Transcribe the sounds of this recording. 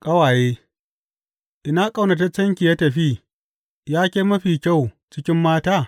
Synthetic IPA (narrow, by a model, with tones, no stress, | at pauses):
kʼɐ˦waː˨jeː˦ | ʔɪ˨na˦kʼɐ˨wnɐ˨t̬ɐ˦t͡ʃɐ˦ŋkʲi˨ja˦tɐ˨ɸiː˦ | jaː˦kʲeː˦mɐ˦ɸiː˨kʲa˦˨w | t͡ʃɪ˦kʲɪ˦mːaː˦taː˦